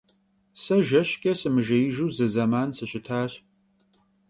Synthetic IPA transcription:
sɐʒɐɕkʲʼɐsɨmɨʒɐjɪʒuːzɨzɐmaːnsɨɕɪtʰaːɕ

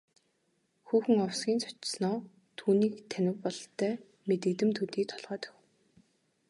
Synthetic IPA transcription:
xuːxɘ̆ŋɔwsɡʲiːnt͡sʰɔ̥t͡ɕsnɔː | t̪ʰuːniːkt̪ʰænɪ̆wpɔɮt̪ʰœː | met̪ɘ̆kt̪ɘ̆mt̪ʰut̪iːk̚t̪ʰɔɮʁœːt̪œ̥x

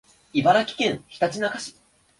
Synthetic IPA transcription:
ibaɾakʲi̥kẽ̞ɰ̃çi̥t̪at͡ɕinakaɕi̥

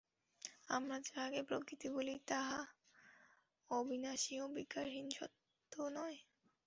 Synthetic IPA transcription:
a̰mɾad͡ʑebʱaɡepɾokɾit̪ibolit̪aɦa | obʱinaʃiobikaɾɦinʃɔ̰t̪ː | onɔe

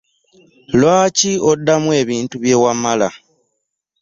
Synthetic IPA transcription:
lwaːciodːamwe̞ːβiːntuβje̞ːwamala

